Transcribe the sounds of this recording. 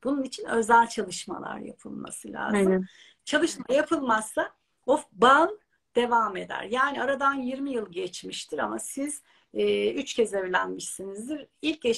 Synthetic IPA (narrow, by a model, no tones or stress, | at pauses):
b̥ununit͡ʃʰinø̞zælʲt͡ʃʰalˠɯʃma̰lˠa̰ɾja̰pʰɯ̰lˠma̰sɯlʲa̰ːzɯm | t͡ʃʰalˠɯʃmajapʰɯlˠmasːa | oban | d̪̥e̞vame̞d̪æ̰ɾjaːniaɾad̪anjiɾmijɯlˠɟɛt͡ʃmiʃt̪ʰiɾa̰masiz̥ | ɛːyt͡ʃcʰɛzevlʲænmiʃsinizd̪iɾilʲce